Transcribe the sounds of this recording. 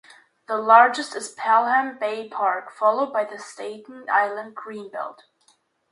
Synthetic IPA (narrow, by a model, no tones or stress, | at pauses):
ðəlɑɹd͡ʒɨstɨz̥pʰælˠhæ̃mbeɪpʰɑɹkfɑlˠoʊd̚baɪðɨsteɪtn̩a̰ɪlˠə̃nd̚ɡɹĩnbɪ̰lˠd̥